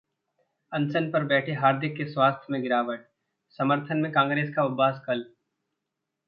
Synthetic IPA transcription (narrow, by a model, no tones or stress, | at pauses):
ɐ̃nsənpɐɾbɛːʈʰeɦaːɾd̪ʱɪkːeswaːst̪ʰjəmẽɡɪɾaːʋəʈ̚ | sɐməɾt̪ʰənmẽkãːŋɡɾeːskaʊbaːskɐl